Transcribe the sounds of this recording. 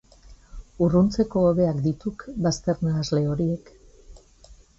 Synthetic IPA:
urunt͡se̞ko̞ːβe̞akd̪it̪ukbast̪e̞ɾnaːzle̞o̞ɾie̞k

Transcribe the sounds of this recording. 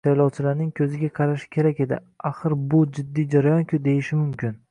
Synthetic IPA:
sajlˠowt͡ʃʰɪlaɾnɪŋkʲʰɵzɪɡʲaqʰɑɾaʃɪ̥kʲʰe̞ɾakʲe̞d̪ɪ̰ | aχɨɾbʊd͡ʒɪd̪ːijd͡ʒaɾajɒnkʲʰʊd̪e̞jɪʃɪmʊmkʲʰɪn

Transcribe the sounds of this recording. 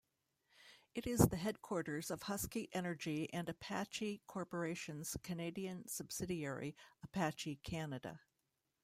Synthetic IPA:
ɨɾɪzðɨɦɛd̚kʰw̥ɔɹɾə˞zʌv̥hʌskiʔɛnə˞d͡ʒiʔɨ̃nɨpʰæt͡ʃikʰɔɹpə˞eɪʃɨ̃nz̥kʰɨneɪɾiɨ̃nsɨb̥sɪɾiɛɹḭəpʰæt͡ʃikʰænɨɾɨ̰

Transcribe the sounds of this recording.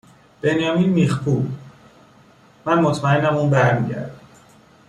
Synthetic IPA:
b̥e̞njɒːminmixpʰu | mænmot̪ʰmæenːæmuːnbæɾmḭɟæ̰ɾd̪æ

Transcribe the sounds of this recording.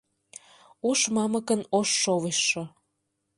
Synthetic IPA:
oʃmɑmə̆kənoʃːoβeʃːo

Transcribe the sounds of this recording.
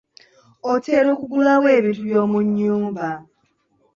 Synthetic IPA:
oteɾokʷuɡulawebitujɔmoɲ̩ɲom̩ba

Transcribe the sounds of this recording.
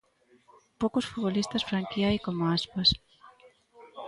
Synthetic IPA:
powkʊsfut̪βolist̪ɐsfɾaŋkiajkomoaspɐs

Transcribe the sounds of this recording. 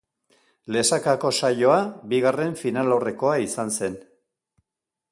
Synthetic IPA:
le̞sakako̞sajo̞abiɣare̞ɱfinalawre̞ko̞aisanse̞n

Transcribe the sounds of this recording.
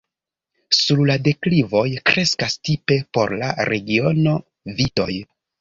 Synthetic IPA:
suɾlade̞klivo̞jkɾʔe̞skastipe̞po̞̰ɾla̰ɾe̞ɡio̞no̞ | vito̞̰j

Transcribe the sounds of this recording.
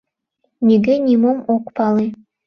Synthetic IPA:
nʲiɡenʲimomokpʰɑle

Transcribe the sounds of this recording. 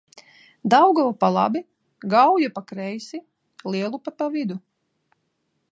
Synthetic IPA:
d̪awɡɔwpalˠa̰bi | ɡawjapakɾɛjsi | lˠiɛlˠupapavid̪u

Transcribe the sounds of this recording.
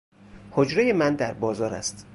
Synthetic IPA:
hod͡ʒɾejemænd̪æɾbɒːzɒːɾæ̰st̪

